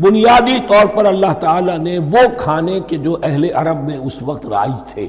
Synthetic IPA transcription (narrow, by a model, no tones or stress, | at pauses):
bʊnijaːd̪it̪ɔːɾpɐɾɐlːaɦt̪aːlaneʋokʰaːneked͡ʒoːʔɛɦleʔɐɾəbmẽʊsʋɐqt̪ɾa̰ːit̪ʰḛː